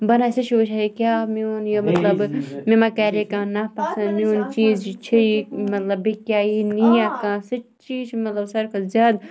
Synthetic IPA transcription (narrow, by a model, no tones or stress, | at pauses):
bɐnasɨt͡ʃʰoːt͡ʃʰaikʲjaːmionjomɐt̪lɐbmemakɐɾekãːnapɐsɐ̃niuːnt͡ʃiːzt͡ʃʰiimɐt̪lɐbikjaːinijãkãːsɨt͡ʃt͡ʃiːt͡ʃʰimɐt̪lɐbsɐɾkʰɐzjaːd̪